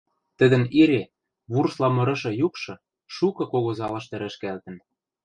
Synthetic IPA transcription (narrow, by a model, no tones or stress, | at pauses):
t̪ɘ̆d̪ə̆niɾe | βurslɑmɤ̆ɾɤ̆ʃɤ̆jukʃɤ̆ | ʃukɤ̆koɣozɑlɤ̆ʃt̪ɘ̆ɾɘ̆ʃkælt̪ɘ̆n